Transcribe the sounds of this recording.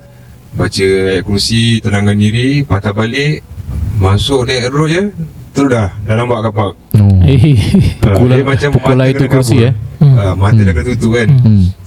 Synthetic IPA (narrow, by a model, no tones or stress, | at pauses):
bat͡ʃəaʔkunsit̪ənaŋaniɾipat̪abalɪʔmasʊʔnɛʔɾojət̪əɾudahdalambaʔkapaʔ̚ | oepkulamat͡ʃampuulaitk̪ukunsiaamat̪ədakat̪uit̪ukan